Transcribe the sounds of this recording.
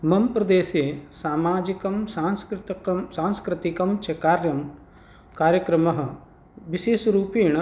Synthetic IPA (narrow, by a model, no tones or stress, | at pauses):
mɐmpɾɐd̪eːsesaːmaːd͡ʒikɐmsaːnskɾɪt̪saːnskɾɪt̪ikɐmt͡ʃɐkaːɾjɐm | kaːɾjɐkɾɐmɐɦɐ̆ | ʋiʃeːʃɾuːpiːɳɐ